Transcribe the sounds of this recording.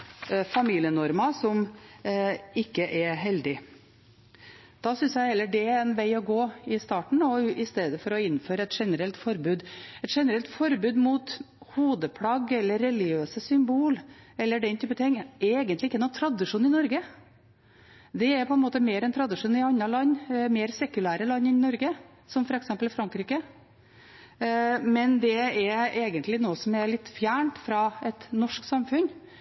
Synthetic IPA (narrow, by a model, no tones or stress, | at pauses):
fɑmiːlɪənɔɾmɑsɔm | ɪkːəʔɛɾɦɛld̪ɪ | d̪̥ɑsʏnsjæɪhɛlːəɖɛæɾɛnʋæɪɔɡoːɪst̪ɑːʈɳ̩ɔɪst̪eːd̪əfɔɾɔɪnːføːɾəɛt̪ʂɛnəɾɛlt̪fɔɾbʉːd̪ɛt̪ʂɛnəɾɛlt̪fɔɾbʉːd̪mut̪ | huːd̪əpʰlɑɡɛlːəɾːɛlɪɡøːsəsʏmbuːlɛlːəɖɛnt̪ʰyːpːt̪ʰɪŋːɛɾeːɡənlɪɪkːənuːt̪ʰɾɑd̪ɪʂuːnɪnɔɾɡə | d̪ɛɛɾpʰɔɛnmoːt̪əmeːɾɛnt̪ʰɾɑd̪ɪʂuːnɪɑnːɑlɑnːmeːɾsɛkʉlæːɾəlɑnːɪnɔɾɡə | sɔmfɔɾɛksɛmpəlɪfɾɑŋkɾiːkə | mɛnd̪ɛɛeːɡənt̪lɪnoːəsɔmɛɾɭɪt̪ːfjæːɳʈfɾɑɛt̪nɔʂksɑmfʉn